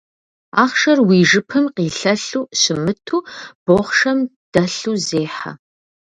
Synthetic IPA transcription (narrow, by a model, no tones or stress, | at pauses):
aːχʃɐrwiːʒɨpʰɨmqiːɬɐɬuːɕɪmɨtʰuːb̥oːχʃɐm | d̥ɐɬuːzeːħa̰